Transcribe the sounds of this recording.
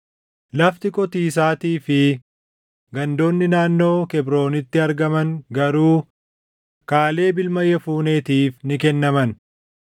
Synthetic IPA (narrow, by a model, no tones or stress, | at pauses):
lɐft̪ɪkʼɔt̪iːs̬aːt̪iːfɪ | ɡɐnd̪o̞ːnːɪnaːnːo̞ːkɛbɾo̞ːnɪt̪ːɪɐɾɡɐmɐŋɡɐɾuː | kaːle̞ːbɪlmɐjːɐfuːne̞ːt̪iːfnɪkɛnːɐmɐn